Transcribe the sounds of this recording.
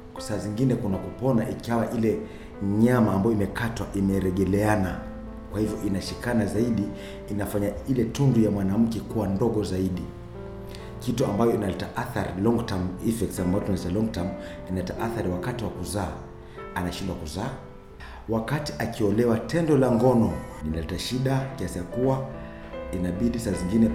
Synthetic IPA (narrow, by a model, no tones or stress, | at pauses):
saːziŋɡinɛkunakupɔnaʔikawaʔilɛ | ɲamaːmbajɔimɛkatwa̰ʔimɛɾɛɠɛlɛana | kwahivjɔʔinaʃikanazaiɗiː | nafaɲailɛtundujamwanam̩kɛkuwandɔɠɔzaiɗi | kituambajɔinalitaʔaθaɾilɔŋɡtamifɛktsambaɔtunalitalɔŋɡtam | inalitaʔaθaɾiwakatiwakuzaː | anaʃindwakuzaː | wakati̥ʔakiɔlɛwatʰɛndɔlaŋɡɔnɔninalitaʃiɗakiasijakuwa | inaɓiɗisaziŋɡinɛ